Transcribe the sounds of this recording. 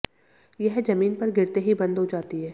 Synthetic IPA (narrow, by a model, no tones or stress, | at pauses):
jɛɦd͡ʒɐmiːnpɐɾɡɪɾt̪eɦibɐ̃nd̪ɦod͡ʒaːt̪iɦɛː